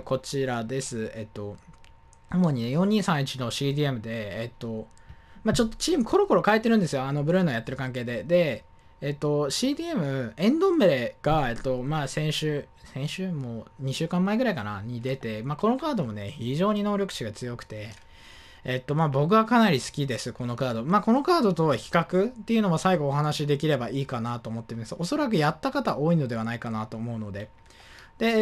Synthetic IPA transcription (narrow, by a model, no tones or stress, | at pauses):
ko̞t͡ɕiɾad̪e̞sɨe̞t̪ːo̞ | omo̞ɲ̟inejõ̞ɲ̟ːĩɰ̃sãɰ̃it͡ɕino̞ɕiːd̪ʲiːe̞mɯ̟d̪e̞ːt̪ːo̞maːt͡ɕo̞t̪ːo̞̥t͡ɕiːmɯ̟kʰo̞ɾo̞ko̞ɾo̞kae̞t̪ːeɾɯ̟̃nd̪esɨjo̞ano̞bɯ̟ɾɯ̟ːnojat̪ːe̞ɾɯ̟kãŋk̬e̞ːd̪e̞d̪e̞ː | t̪ːo̞ɕiːd̪ʲiːe̞mɯ̟ẽ̞nd̪õ̞mbeɾe̞ɡ̥ae̞t̪ːo̞maːsẽ̞ɰ̃ɕɨː | sẽ̞ɰ̃ɕɨːmo̞ɲ̟iɕɨːkãmːaeɡɯ̟ɾaikana̰ɲ̟id̪e̞t̪e̞maːko̞no̞kaːd̪o̞mo̞ne̞çiʑo̞ːɲ̟ino̞ːɾʲo̞kɯ̟̥ɕiɡat͡sɨjo̞kɯ̟̥t̪e̞ː | t̪ːo̞maːbo̞k̬ɯ̟βakanaɾʲisɨ̥kʲid̪e̞sɨko̞no̞kaːd̪o̞maːko̞no̞kaːd̪o̞t̪o̞çi̥kakɯ̟t̪ːeiɯ̟no̞βasaiɡo̞ːɦanaɕid̪e̞kʲiɾe̞baiːkanat̪o̞ːmo̞t̪ːeimasɨo̞so̞ɾak̬ɯ̟jat̪ːakat̪aʔo̞ːino̞d̪e̞anaikanat̪o̞ːmo̞ɯ̟no̞d̪e̞ | d̪̥e̞